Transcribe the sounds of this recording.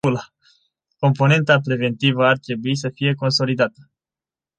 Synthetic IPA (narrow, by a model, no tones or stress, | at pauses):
ula | ko̞mpo̞ne̞nt̪apɾe̞ve̞nt̪ivəart̪ɾe̞buis̬əfije̞ko̞nso̞lid̪at̪ə̥